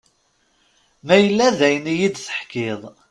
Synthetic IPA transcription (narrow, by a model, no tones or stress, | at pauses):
mæjəlːæðæjənijid̪θə̥ħkɪðˤ